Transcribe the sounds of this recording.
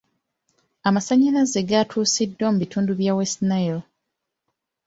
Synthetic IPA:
amasaɲːiɾazeɡatʰuːsidːwomuβitʰuːnduβjawestnail

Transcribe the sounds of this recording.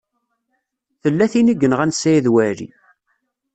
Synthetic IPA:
θəlːæθiniɡːənʁænsːæjiðwæɾḭ

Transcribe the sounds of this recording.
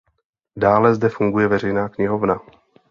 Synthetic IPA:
daːlɛzdɛfuŋɡujɛvɛr̝ɛjnaːkɲɪɦo̞vna

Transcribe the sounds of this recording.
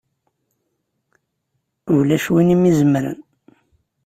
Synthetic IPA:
vlæʃwinimizəmɾə̰n

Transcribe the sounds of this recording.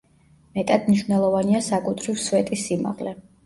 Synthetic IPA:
mɛt̪ʼad̪̥mniʃvnɛlˠɔvaniasakʼut̪ʰɾivsvɛt̪ʼisːima̰ʁlɛ

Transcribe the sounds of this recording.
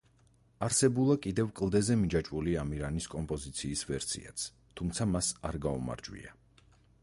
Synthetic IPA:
aɾsɛbulˠakʼid̪ɛvkʼlˠd̪ɛzɛmid͡ʒat͡ʃʼuliamiɾaniskʼɔmpʼɔzit̪sʰiːsvɛɾsʰḭa̰t̪sʰ | t̪ʰumt̪sʰamasaɾɡaṵma̰ɾd͡ʒwḭa

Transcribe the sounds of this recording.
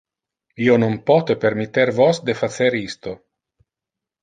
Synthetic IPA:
ionompɔt̪epeɾmit̪ːeɾvosd̪efat̪seɾist̪o

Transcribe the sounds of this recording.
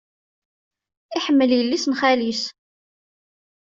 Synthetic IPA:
ɪħəmːəljəlːisnχælis

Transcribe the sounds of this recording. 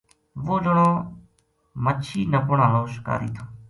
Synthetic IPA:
ʋoːd͡ʒəɳoː | mət͡ʃʰiːnəpʊɳãːnõːʃɪ̥ka̰ːɾḭːt̪ʰoː

